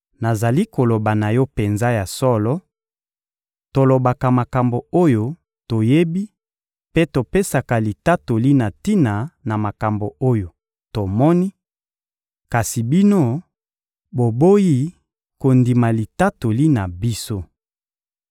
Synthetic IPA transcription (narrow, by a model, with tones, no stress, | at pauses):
na˨za˨li˦ko˨lo˨ba˨na˨jɔ˦pe˨nza˦ja˨sɔ˦lɔ˦ | to˨lo˨ba˨ka˨ma˨ka˨mbo˨o˦jo˦ | to˨je˦bi˦ | pe˦to˨pe˦sa˨ka˨li˨ta˦to˨li˦na˨ti˦na˨na˨ma˨ka˨mbo˨o˦jo˨ | to˨mɔ˦ni˦ | ka˨si˨bi˦no˦ | bo˨bo˦ji˦ | ko˨ndi˨ma˨li˨ta˦to˨li˦na˨bi˦so˦